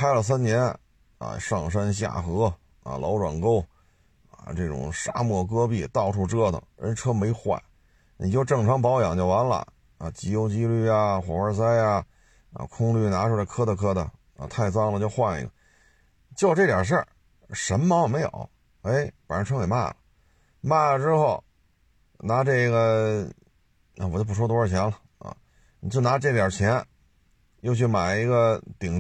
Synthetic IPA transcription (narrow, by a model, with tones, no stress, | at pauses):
kʰa˥ɪlə˨s̬a˥nnjɛ˧˥n | ɐ̰˨˧˩ʂɑ˥˩ŋʂ̬ə˥nɕja̰˥˩xɤ˧˥ | a̰˧˩lʔɑ˧˥ʊʈ͡ʂwa̰˨˩nko˥ʊ | a̰˩ʈ͡ʂɤ˥˩ʈ͡ʂʊ̰˨˩ŋʂa̰˥mwɔ˥˩kɤ˥pi˥˩t̪ɑ˥˧ʊʈ͡ʂʰu˥˩ʈ͡ʂɤ˥d̪ə̰˨˩ɻə̰˧˥˧ʈ͡ʂʰɤ˥me˧˥ɪxwa̰˥˩˦ | ni˨˩t͡ɕjo˥˧ʊʈ͡ʂɤ˥˩ŋʈ͡ʂʰɑ˧˥ŋp̬ɑ˧˥ʊjɑ˨˩ŋt͡ɕjo˥˩ʊwa˧˥nlə̰˨˧ | ɐ̰˧˩t͡ɕi˧˥jo˥ʊt͡ɕi˥ly˥˩ja˨˩xwɔ˨˩ə˞˥˧˩s̬a˥ɪja˧ | ə̰˧kʰʊ˥ŋly˥˩na˧˥ʂʰɾa˧ɪkʰɤ˥d̪ə˧kʰɤ˥d̪ə˨˩ | ə̰˧t̪ʰa˥˩ɪt͡sɑ˥ŋlə˨t͡ɕjo˥˧ʊxwa˥˧nḭ˧˩ɡə̰˩ | t͡ɕjo˥˧ʊʈ͡ʂɤ˥˩t̪jɑ̰˨˩ʂ̬ə˞˥˩˧ | ʂə˧˥mmɑ˧˥ŋjo˨˩me˧˥ɪjo̰˨˩˦ʊ | e˧˥ɪfə˨˩nɻə˧˥ʈ͡ʂʰɤ˥ŋke˨˩ɪma̰˥˩lə˨ | ma˥˩ʈ͡ʂɻ̩˥xo˥˩ʊ | na˧˥ʈ͡ʂɤ˥˩˥ɡə˩ | a˧˩wɔ˨˩t͡ɕo˥˧p̬u˥˩ʂwɔ˥t̪wɔ˥ɻə˞˥˩t͡ɕʰjɛ˧˥nlə˨ | ɐ̰˧˩ | ni˨˩t͡ɕjo˥˩ʊna˧˥ʈ͡ʂɤ˥˩t̪jɑ˨˩t͡ɕʰjɛ˧˥n | jo˥˧ʊt͡ɕʰy˥˩ma˨˩ɪi˧˥ɡə˧t̪i˨˩ŋ